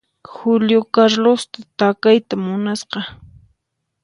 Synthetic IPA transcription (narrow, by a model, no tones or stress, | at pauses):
xʊljokaɾlost̪at̪akajt̪amʊnasqɑ